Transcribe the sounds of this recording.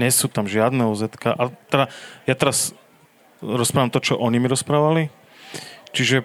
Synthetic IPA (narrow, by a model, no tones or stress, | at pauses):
ɲɛsuːt̪amʒɪad̪nɛuzɛt̪kaʔat̪ɛdajat̪ɛɾas | ɾɔspɾaːʋamt̪ɔt͡ʃɔʔɔɲimiɾɔspɾaːʋali | t͡ʃiʒɛ